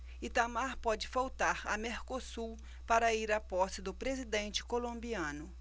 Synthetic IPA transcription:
ɪt̪amaɾpɔd͡ʒɪfawt̪aɾɐmeɾkosu | paɾɐiɾapɔsɪd̪ʊpɾezid̪ẽnt͡ʃɪ̥kolõmbiɐ̃nʊ

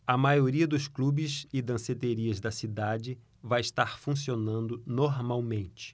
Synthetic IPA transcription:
ɐmajoɾiɐd̪ʊsklubɪzɪd̪ɐ̃set̪eɾiɐzd̪ɐsid̪ad͡ʒɪ | vajɪʃt̪aɾfũsionɐ̃nd̪ʊnoɾmawmẽnt͡ʃɪ̥

